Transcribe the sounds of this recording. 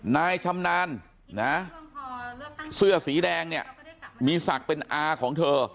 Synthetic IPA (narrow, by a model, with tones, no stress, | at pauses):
naː˧jt͡ɕʰa˧mnaː˧n | na˦˥ | sɯ˥˩ɐsiː˩˦dɛː˧ŋni˥˩ɐəmiː˧sa˨˩k̚pe˧nʔaː˧kʰɔː˩˦ŋt̪ʰɤː˧